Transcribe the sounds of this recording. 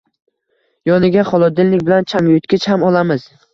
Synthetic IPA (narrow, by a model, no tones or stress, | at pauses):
jɒnɪɡʲaχɒlˠɒd̪ɪlnɪk̚ʲbɪlant͡ʃʰaŋjʊt̪̚kʲɪt͡ʃhamɒlˠamɪz̥